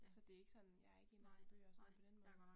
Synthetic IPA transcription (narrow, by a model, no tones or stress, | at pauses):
sɒ̽d̥e̝e̝ɡ̥əsɒ̽n̰jɑ̈æɐe̝ɡ̥e̝næðˠn̩b̥ø̰ːɒsɒ̽nn̩pʰɒ̽d̥enmɔ̽ːð̩ˠ